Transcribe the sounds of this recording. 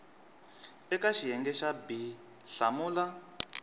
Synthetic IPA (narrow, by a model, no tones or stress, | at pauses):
ɛkaʃijɛŋɡɛʃabi | ɬa̰muːla